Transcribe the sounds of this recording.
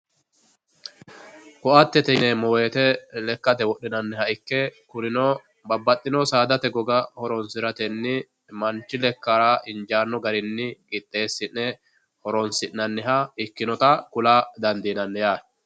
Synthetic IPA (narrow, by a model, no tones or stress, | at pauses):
kɔʔɐt̪ːɛt̪ɛnɛmoːeːt̪ɛlɛkːɐt̪ɛwɔɗːɪnɐnːɛhɐɪkːɛkʊɾɪnɔ | bɐbːɐt̪ʼːɪnɔsaːd̪ɐt̪ɛɡɔɡɐhɔɾɔnsɪɾɐt̪ɛnːɪ | mɐnt͡ʃːɪlɛkːaɾaːʔɪnd͡ʒaːnːɔɡɐɾɪnːɪkʼɪt̪ʼːe̞ːsːɪnɛ | hɔɾɔnsɪʔnɐnːɪɦɐɪkːɪnɔt̪ɐkʊlaːd̪ɐnd̪iːnɐnːɛjaː